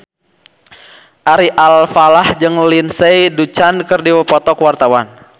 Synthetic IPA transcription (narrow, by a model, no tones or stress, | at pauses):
ʔaɾiʔalfalahd͡ʒɨŋlinsɛjdut͡ʃankərdiwəpɔt̪ɔkəwart̪awan